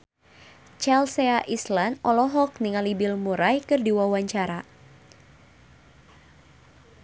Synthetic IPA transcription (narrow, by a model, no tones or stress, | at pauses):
t͡ʃalseaʔislanʔɔlɔɦɔk̚niŋalibilmuɾajkɨrdiwawaɲt͡ʃaɾa